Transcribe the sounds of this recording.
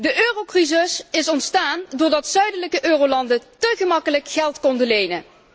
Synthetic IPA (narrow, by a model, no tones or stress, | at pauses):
dəʔøːrowkrizɪsɪsɔntstaːndʊːɹdɑtsœɥdələkəʔøːrowlɑndətəɣəmɑkələkχɛlˠtkɔndəlejnə